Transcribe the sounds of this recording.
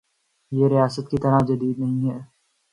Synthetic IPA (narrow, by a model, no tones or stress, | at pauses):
jeɾijaːsət̪̚kit̪ɐɾad͡ʒɐd̪iːd̪nɐɦĩɦɛː